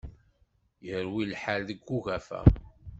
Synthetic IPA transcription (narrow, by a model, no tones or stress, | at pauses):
jəɾwilħalðəɡːuɣæfæ̰